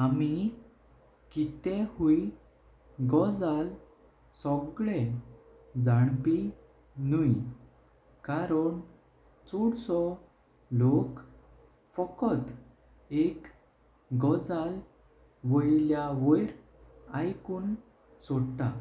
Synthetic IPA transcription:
ami | kit̪ɛ̃hui | ɡɔd͡zal | sɔɡɭɛ | d͡zaɽpi | nuj | kaɾəɳ | t͡soɽsɔ | lok | fɔkɔt̪ | ek | ɡɔd͡zal | ʋəjljaʋəjɾ | ajkuːn | soɽʈ̪a

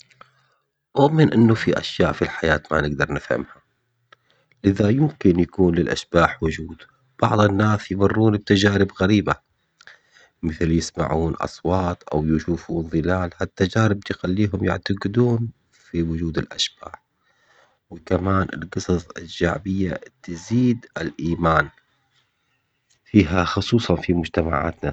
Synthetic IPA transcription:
ʔʊʔmɪnʔɪnːufiʔa̰ʃjaːʔfilħajaːt̪ma̰nɪɡd̪ɑɾˤnɪfha̰mha | lɪðajɪmkɪnjakuːnlɪlʔa̰ʃb̥aːħwʊd͡ʒuːd̪̥ | b̥ɑʕðˤɪnːaːsjmʊrːuːnɪb̚t̪ad͡ʒaːɾɪbɣaɾiːba | mɪθljɪsma̰ʕuːnʔɑ̰sˤwɑːt̪ˤʔa̰wjɪʃuːfuːnðˤɨlaːlhat̪ːad͡ʒaːɾɪb̚jxalːiːɦʊmjɪ̰ʕt̪aɡɪd̪uːn | fiwʊd͡ʒuːd̪ɪlʔa̰ʃb̥aːħ | wɪkamaːnʔɪ̰lqɨsˤɑsˤɪʒʃaʕbɪjːa̰t̪ɪziːd̪ɪlʔiːmaːn | fiːɦaxʊsˤuːsˤɑnfimʊd͡ʒt̪ama̰ʕa̰ːt̪na

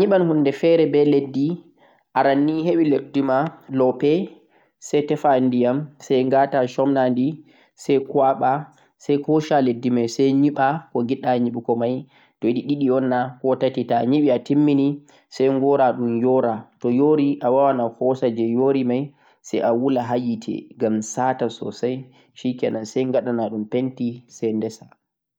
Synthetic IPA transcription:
ɲiɓanhundɛfɛɾɛbɛledːi | ʔaɾanːiɦewiledːimalɔpɛ | sɛjtɛfandijamsajŋɡataʃɔmnandi | sajkwaɓa | sajkɔʃaledːimajsajɲiɓakɔŋɡiɗaɲiɓikɔmaj | d̥ɔjɗiɗiɗiɔnːahɔtatitaɲiɓiatimːini | sajŋɡɔɾaɗumjɔɾatɔjoɾiʔawawanahɔsad͡ʒɛjoɾimaj | sɛ̰jʔawulaɦajitʰɛ̰ɡamsaːtasɔ̰saj | ʃikɛnansajŋɡaɗanaɗumpentisɛjndɛsa

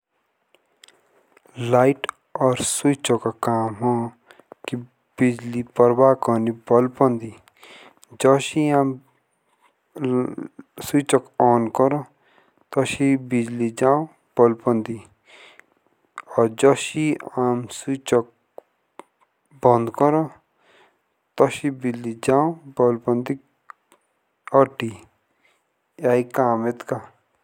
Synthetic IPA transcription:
laiʈ | ɔɾsujt͡ʃɔkakaːmɦɔ̃ | ki | bid͡ʒlipɔɾbaːkɔnibɔlpɔnd̪i | d͡ʒɔʃiaːm | sut͡ʃɔkɔːnkɔɾɔ̃ | t̪ɔʃibid͡ʒlid͡ʒaːõ | b̥ɔlpɔnd̪i | ɔd͡ʒɔʃiamsut͡ʃɔk̚ | bɔ̃nd̪kɔɾɔ | t̪ɔʃibid͡ʒlid͡ʒaːõbɔlpɔ̃nd̪i | ɔʈi | jaikaːmet̪ka

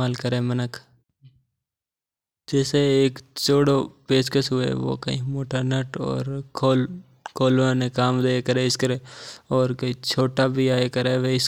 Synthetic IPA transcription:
aːlkəɾeːmənək | d͡ʒɛːseeːkt͡ʃoːɽopeːskəsɦʊḛʋo̰ːkə̰ɦḭ̃moːʈəɾneːʈɔ̰ːɾkʰoːl | kʰoːlãnẽkaːmd̪eːkəɾeːɪskəɾeːɔːɾkĩt͡ʃʰoːʈabʱiaːekəɾeːʋeɪs

